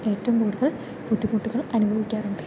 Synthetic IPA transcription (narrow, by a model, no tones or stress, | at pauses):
e̞ːtːɐmkuːɽuðɐɭ | pud̪ːikuʈːuɣɐɭɐnubʱɐʋikʲːaːruɳɖɨ